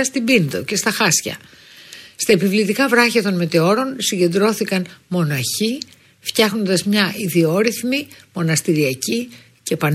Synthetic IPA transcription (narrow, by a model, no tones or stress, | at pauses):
ɐst̪ibind̪o̞̰ce̞st̪ɐxɐsçɐ̰ | st̪ɐepivlit̪ikɐvɾɐçɐt̪o̞nme̞t̪e̞o̞ɾo̞nsiɲɟe̞nd̪ɾo̞θikɐnmo̞nɐçi | ft̪çɐxno̞nd̪ɐzmɲɐʔiðio̞ɾiθmimo̞nɐst̪iɾiɐci | ce̞pɐn